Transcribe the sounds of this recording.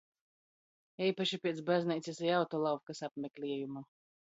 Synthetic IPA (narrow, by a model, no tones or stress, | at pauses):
iːpaʃipʲiɛt̪sbaznʲɛjt̪sʲisajawt̪ɔlˠawkasapmʲɛklʲiɛjuma